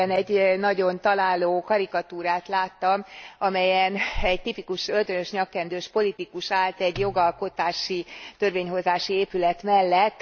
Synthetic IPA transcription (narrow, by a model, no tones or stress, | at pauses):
ɛnɛɟnɒɟo̞nt̪ɒlaːloːkɒɾikɒt̪uːɾaːt̪laːt̪ːɒmɒmɛjɛnɛɟt̪ipikuʃølt̪ønøʃɲɒkːɛnd̪øːʃpo̞lit̪ikuʃaːlt̪ɛɟjo̞ɡɒlko̞t̪aːʃit̪ø̞rʋeːɲɦo̞zaːʃieːpylɛt̪mɛlːɛt̪ː